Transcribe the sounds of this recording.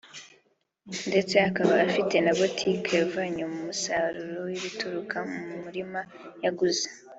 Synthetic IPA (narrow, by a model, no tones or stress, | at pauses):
nde̞t͡se̞akaβaːfite̞naβotʰikʰevaɲomumusaɾuɾowiβituɾukʰamumumuɾima | jaɡuze̥